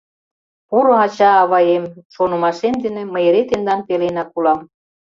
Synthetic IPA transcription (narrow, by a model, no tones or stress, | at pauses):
puɾɤ̆ɑt͡ɕɑːβɑjemʃonɤ̆mɑʃemd̪ĕnĕmə̆jeɾet̪end̪ɑnpelenɑkulɑm